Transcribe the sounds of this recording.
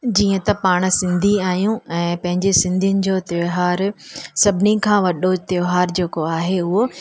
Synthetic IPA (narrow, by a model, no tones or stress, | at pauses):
d͡ʑiːə̃t̪ɐpaːɽ̃̆sɪ̃nd̪ʱiaːɦijũɛ̃ːpɐ̃ɦɪ̃ɲd͡ʑesɪ̃nd̪ʱijʊnɪ̆d͡ʑoːt̪eɦaːɾsɐbʱɪnikʰãːʋɐɗot̪ɪoɦaːɾd͡ʑeːkoaːɦeʊɦo